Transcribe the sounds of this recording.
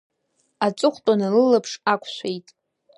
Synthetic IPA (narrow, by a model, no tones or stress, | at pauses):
at͡sʷʼʊχʷtʼanɨlɨlapʰʂakʷʰʃʷejtʼ